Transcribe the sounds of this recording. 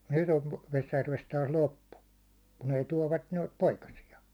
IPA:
nyt oʋ ʋesjærʋest tɑːs lopːu kun ei tuɒʋːɑt noit poikɑsiɑ

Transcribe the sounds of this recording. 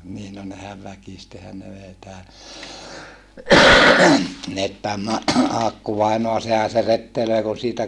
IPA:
niːn no nehæʋ ʋækistehæn ne ʋei tæː ɑːkːuʋɑinoɑ sehæ se retːeløi kun siːtæ

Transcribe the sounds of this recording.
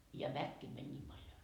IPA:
jɑ ʋækːeː mænʲ niːm pɑljo

